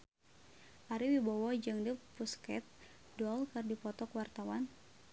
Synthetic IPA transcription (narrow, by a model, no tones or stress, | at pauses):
ʔaɾiwibawɔd͡ʒaŋdəpuskɛ̰t̪̚ | dɔlkərdipɔt̪ɔkwart̪awan